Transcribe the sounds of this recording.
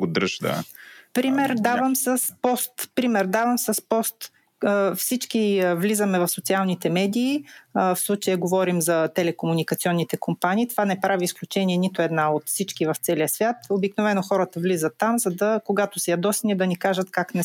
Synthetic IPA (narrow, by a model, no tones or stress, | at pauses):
ɡod̪ɾɤʃd̪a̰pɾimɛɾd̪avəmsɐspɔst̪pɾimɛɾd̪avəmsɐspɔst̪ː | fsit͡ʃkivlizəmɛvɐfsot̪sialˠnit̪ɛmɛd̪iːfslˠut͡ʃəjɛɡovɔɾimzɐt̪ɛlɛkomunikəɐt̪siɔnːit̪ɛkompanʲiːt̪ovanɛpɾʔaviːsklʲut͡ʃɛniɛnit̪oɛd̪naot̪fsit͡ʃkivɐft̪sɛliəsvʲjat̪obiknovɛnoxɔɾət̪əvlizət̪ːamzɐd̪ɐkoɡat̪osɛjɐd̪ɔsnid̪ɐnikaʒət̪kaknɛ